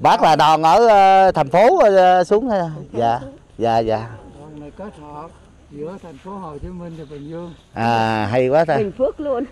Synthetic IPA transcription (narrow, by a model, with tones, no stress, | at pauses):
ɓaː˦˥k̚laː˨˩ɗɔ˨˩nʔəː˧˩˧t̪ʰa˨˩jŋ̟fo˨˦˧su˨˦əŋ˧zaː˨˩ | zaː˨˩zaː˨˩˧ŋ˨˩ke˦˥t̚hə˧˨ | zɨ˧˥˦ət̪ʰa˨˩jŋ̟fo˨˦ho˨˩t͡ɕi˨˦mï˨˩ŋtːɓï˨˩ŋ̟zɨ˧əŋ | ʔaː˨˩ɦa˧jkwaː˨˦t̪ʰa˧˨˩ŋfɨ˦˥ək̚lu˧ən